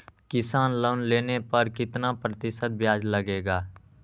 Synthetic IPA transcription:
kɪsaːnloːnleːnepəɾkɪt̪napɾət̪ɪʃət̪̚bjaːd͡ʒləɡeːɡaː

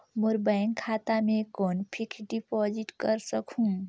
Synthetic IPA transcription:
moɾbaŋkʰːat̪amẽkɔːnpʰikʰɖipɔd͡ʒiʈkəɾsəkʰɦũ

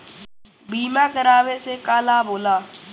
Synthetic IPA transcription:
biːmãːkəɾaːʋesekaːlaːboːlaː

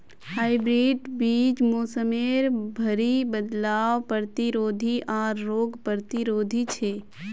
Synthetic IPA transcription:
haːɪbɾiːɖbiːt͡ʃmoːsəmeːɾbʱəɾibəd̪laːʋpəɾt̪iɾoːd̪ʱiʔɔːɾːoːɡpəɾt̪iɾoːd̪ʱit͡ʃʰeː

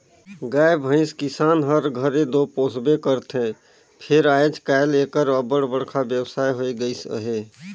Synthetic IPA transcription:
ɡajbʱə̃ɪ̃skisanɦəɾɡʱəɾed̪oposbekəɾt̪ʰẽ | pʰeɾajd͡ʒkajlekəɾəbəɽbəɽkʰabjəwsajɦoiɡəjsə̰ɦe

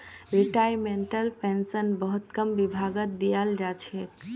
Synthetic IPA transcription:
ɾiʈajmeɳʈəlpʰensənbəɦut̪kəmbibʱaɡət̪̚d̪ijald͡ʒat͡ʃʰek

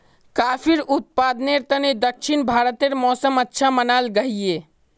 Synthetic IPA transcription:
kapʰiɾut̪̚pad̪neɾt̪əned̪əkʃʰinbʱaɾət̪eɾmɔːsəmətːʃʰamənalɡəɦije

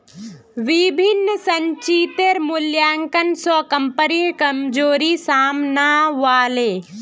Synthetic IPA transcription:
ʋibʱinːəsɐɲt͡ʃiːt̪eɾmʊljaːŋkɐnsɔkɐmpəɾikɐmd͡ʒoːɾisaːmnaːʋaːleː

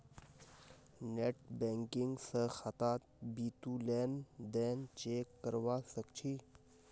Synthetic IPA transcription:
neʈbẽːŋkɪŋɡsəxat̪aːt̪biːt̪uːleːnd̪eːnt͡ʃeːkːəɾʋasəkt͡ʃʰi

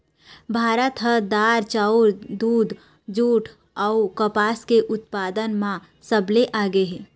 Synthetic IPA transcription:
bʱaːɾət̪ɦəd̪aːɾt͡ʃaʊɾd̪uːd̪ | d͡ʒuːʈʰ | aukəpaːskeʔʊt̪̚paːd̪ənmã | səbleʔaːɡəɦe

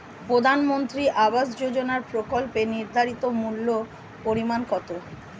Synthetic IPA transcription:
pɾod̪ʱanmont̪ɾiʔabaʃd͡ʑod͡ʑonaɾpɾokolpeniɾd̪ʱaɾit̪omulːo | poɾimankɔt̪o

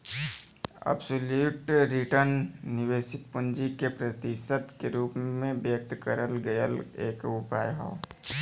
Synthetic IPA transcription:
ɐ̰bsoluːʈɾɪʈəɾnːɪʋeːʃɪk̚pʊ̃nd͡ʒikepɾɐt̪ɪʃət̪keɾuːpmẽbjək̚t̪kəɾəlɡɐjə̰leːkʊpaːjɦo̰

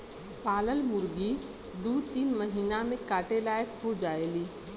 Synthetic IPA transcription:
paːləlmʊɾɡi | d̪uːt̪iːnməɦiːnamẽkaːʈelaːjəkɦod͡ʒaːeːliː

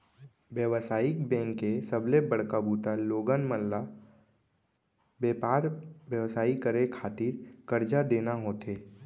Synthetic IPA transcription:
ʋjəʋsaːɪk̚bɛ̃ːŋkːesəblebəɽ̤kabuːt̪aloːɡənməlːa | beːpaːɾʋjəʋsaːikəɾekʰaːt̪iːɾkəɾd͡ʒad̪eːnaɦoːt̪eː

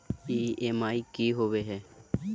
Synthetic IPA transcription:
iːeːmaːiːkiːɦoʋeɦɛː

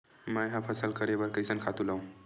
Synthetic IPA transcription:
mãjɦãpʰəsəlkəɾebəɾkəjsənkʰat̪ulaũ

